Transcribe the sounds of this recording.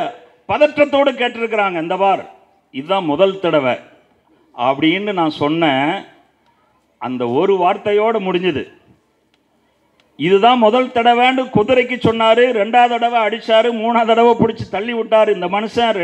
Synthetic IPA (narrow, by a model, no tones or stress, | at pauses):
pɐðɐʈɾɐt̪ːoːɽɯkeːʈːɪɾɯk̬ːɪɾaːŋɡɐɪnd̪ɐpaːɾ | ɪðɯðãːmɔðɐlt̪ɐɽɐʋẽː | ɐpːɐɽɪɪnrɯnãːsɔnːɛ̃ | ɐ̰nd̪ɐɔɾɯʋaːɾt̪ɐjoːɽɐmʊɽɪɲd͡ʒɐðɯ̰ | ɪðɯðãːmɔðɐlt̪ɐɽɐʋẽːnɖɯkɔðɯɾɐɪk̬ːɯt͡ʃːɔnːaːɾɯɾɛɳɖaːðɐɽɐʋɐ̃ɐɽɪt͡ʃːaːɾɯmuːnaːðɐɽɐʋɐ̃pɔɽɪt͡ʃːɯt̪ɐɭːɪʋɪʈːaːɾɯɪnd̪ɐmɐnɯsɐ̃ɾ